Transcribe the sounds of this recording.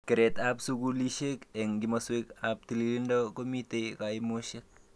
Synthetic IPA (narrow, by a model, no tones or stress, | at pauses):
kɪɾetapsukuliʃekɛŋɡimɐswekap̚tililindɔkomitekaimoʃek̚